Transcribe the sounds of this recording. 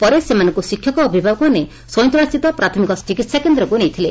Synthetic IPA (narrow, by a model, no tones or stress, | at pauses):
pɔɾesemanɔ̃ŋkusikʰːjɔkɔːbʱibʱabɔkɦane | sɔjnt̪ɾast̪it̪ɔpɾat̪ʰɔmikɔt͡ʃikit̪sakend̪ɾɔkunejt̪ʰile